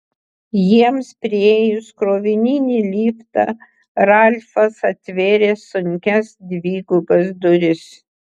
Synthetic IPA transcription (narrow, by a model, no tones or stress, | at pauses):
jiɛmspʲɾʲɪeːjʊskɾoːʋʲɪnʲinʲiːlʲiːft̪ɑ̰ | ɾɑlʲfɐsɐt̪ʲʋʲeːɾʲeːsʊŋʲkʲɛsd̪ʲʋʲiːɡʊbɐsd̪ʊɾʲɪs